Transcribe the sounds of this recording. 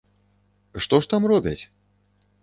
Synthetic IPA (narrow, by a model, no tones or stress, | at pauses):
ʂt̪ɔʂt̪amrɔbʲɐt͡sʲ